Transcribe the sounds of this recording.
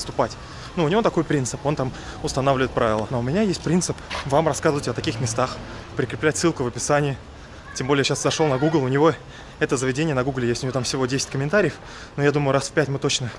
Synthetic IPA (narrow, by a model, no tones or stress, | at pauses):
st̪ʊpatʲ | nuʊnʲɪvo̞t̪ɐko̞jpɾʲint̪sɨpo̞nt̪amʊst̪ɐnavlʲɪvəɪt̪pɾavʲɪlˠənoʊmʲɪnʲajesʲtʲpɾʲint̪sɨpvamrɐskazɨvətʲət̪ɐkʲixmʲɪst̪axpɾʲɪkɾʲɪplʲætʲsːɨlˠkʊvəpʲɪsanʲɪɪ | tʲembo̞lʲɪjɕaszɐʂonɐɡuɡlˠʊnʲɪvo̞ | ɛt̪əzəvʲɪdʲenʲɪjənɐɡuɡlʲɪjesʲtʲʊnʲɪjot̪amfsʲɪvo̞dʲesʲɪ̥tʲkəmʲɪnt̪aɾʲɪjəf | nojad̪uməjʊɾasfʲpʲætʲmɨt̪o̞t͡ɕnə